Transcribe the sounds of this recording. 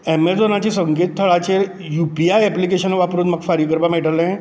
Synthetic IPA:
ɛmelsonat͡ɕiːsəŋɡet̪̚t̪ʰːəɭat͡ɕe | jupiajɛplik̬eɕənʋapɾuːnməɡfaɾjəkəɾbameʈəlẽ

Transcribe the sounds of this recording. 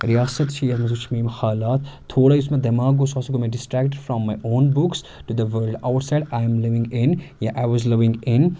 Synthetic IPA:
ɾijaːsət̪ʃiːɐmezut͡ʃʰmĩːmxaːlaːt̪ʰːoːɽaiʊsmẽd̪ɐmaːɡosaːsɡomẽɖɪsʈɾæːk̚ʈɪɖfɾɔ̃mːajʔõːnbʊks | ʈud̪əʋəɾlɖaʊʈsaɪɖajə̃mlɪʋɪ̃ŋɡɪ̃njaʔaɪʋɔzlɪʋɪ̃ŋɡɪ̃n

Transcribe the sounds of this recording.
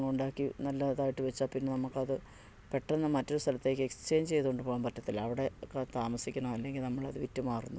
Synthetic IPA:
ŋːɐɭuɳɖaːkːinɐlːɐðaːjiʈːɨʋet͡ɕːaːpinːe̞nɐmːukːɐðɨ | pe̞ʈːenːɐmɐtːo̞ɾust̪ʰɐlɐt̪ːe̞ːkːɨekst͡ɕe̞ːnt͡ɕe̞jt̪uɣoɳɖɨpoːɣɐmpɐtːɐt̪ːilɐʋiɽe̞kt̪aːmɐsikʲːɐɳɐɐlːe̞ŋɡilnɐmːɐɭɐðɨʋitːumaːrunːu

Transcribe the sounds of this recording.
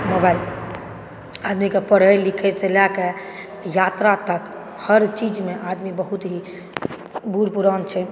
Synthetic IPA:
mobail | ad̪mikepəɽ̤əjlːikʰɛselake | jat̪ɾat̪ək | həɾt͡ʃid͡ʒmeʔad̪mibəɦut̪ɦi | buɾpuɾant͡ʃʰɛ

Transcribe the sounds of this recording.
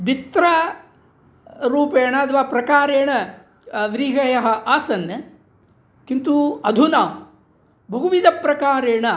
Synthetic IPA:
d̪it̪ɾɐ | ɾuːpeːɳɐɐt̪ʰɐʋaːpɾɐkaːɾeːɳɐ | ʋɾiːɦɐjɐɦɐ̆ʔaːsɐnɐ | kint̪uɐd̪ʱunaː | bʱɐɡuʋid̪ɐpɾɐkaːɾeːɳɐ

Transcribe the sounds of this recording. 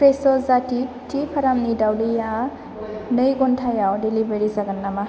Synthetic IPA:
pʰɾesɔzati | tʰipʰɐɾamnidawlija | nɯjɡɔntʰajawdilibeɾizaɡanːama

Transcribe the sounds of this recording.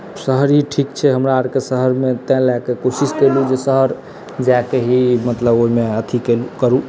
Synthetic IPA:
səɦəɾɦiʈʰik̚t͡ʃʰɛɦəmɾaəɾkesəɦəɾmet̪ɛ̃lɛkekosiskelud͡ʒesəɦəɾ | d͡ʒakeɦimət̪ləboimeət̪ʰikelukəɾu

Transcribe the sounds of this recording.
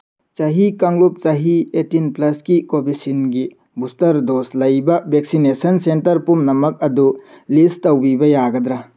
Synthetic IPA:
t͡ʃɐɦikɐŋlup̚t͡ʃɐɦietinplɐskikobisinɡi | bustɐɾdoslɐjbɐbʱek̚sinesɐnsentɐɾpumnɐmɐk̚ɐdu | listɐwbibɐjaɡɐd̪ɾa

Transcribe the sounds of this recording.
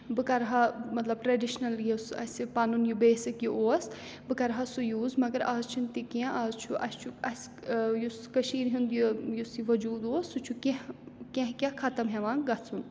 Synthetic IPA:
bɨkɐɾɦɐmɐt̪lɐb̚ʈɾɐɖiʃnɐljusɐ̰sʲipɐnunjubeːsɨkioːɐs | bɨkɐɾɦɐsujuːzmɐɡɐɾaːzt͡ʃʰint̪ikẽʔaːzt͡ʃʰuʔɐ̰st͡ʃʰuɐs | juskɐʃiːɾɦund̪jujusiʋɐd͡ʒuːd̪oːsut͡ʃʰukeɦkẽɦkʲakʰɐt̪ɐmɦeʋãːŋɡɐt͡sʰun

